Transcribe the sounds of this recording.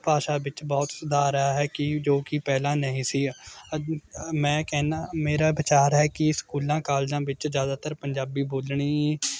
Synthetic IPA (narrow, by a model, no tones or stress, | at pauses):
paːʃaːbɪt͡ʃbɔːt̪səd̪aːɾəaːɦɛːkɪd͡ʒoːkipɛːlãːnəĩːsiː | mɛ̃ːkɛːnaːmeːɾaːʋɪt͡ʃaːɾɦɛːkɪskuːlãːkaːld͡ʒãːʋɪt͡ʃzjaːd̪aːt̪əɾpəɲd͡ʒaːbiːboːlɳiː